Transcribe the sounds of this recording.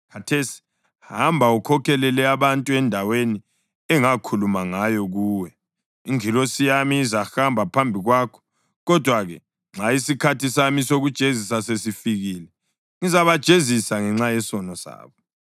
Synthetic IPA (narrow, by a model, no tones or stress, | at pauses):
kʰatʰesi̥ | hambʱaukʰɔkʰɛlɛlɛaβantʼuɛndʱaweni | ɛŋakʰulumaŋajɔɣuːwɛ | iŋilosijamiːzaxambʱapʰambʱiɣwaːkʰɔ̥ | ɣɔd̥ʱwaɣɛ | ŋ͡ǁaisikʰatisamisoɣud̥ʒ̥ʱezisasesifiɣiːlɛ | ŋizaβad̥ʒ̥ʱezisaŋɛŋ͡ǁajɛsɔnɔsa̰ːβɔ